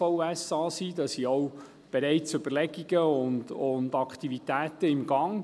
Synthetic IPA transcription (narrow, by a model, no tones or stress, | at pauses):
ɔʊɛsɑːsid̥ɑsiɔw | b̥eɾɛɪt͡sʏbəlɛɡiɡ̥əʊndʊndɑkt̪ivit̪æːtəɪmɡ̥ɑŋ